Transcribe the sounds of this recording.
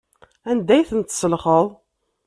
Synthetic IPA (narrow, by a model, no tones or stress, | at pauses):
ænd̪æjθənt̪səlχəðˤ